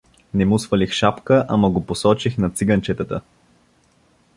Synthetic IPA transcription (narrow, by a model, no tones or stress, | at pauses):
nɛmusvəlixʃapkəʔaməɡoposɔt͡ʃixnɐt̪siɡɐnt͡ʃɛt̪ət̪ə̰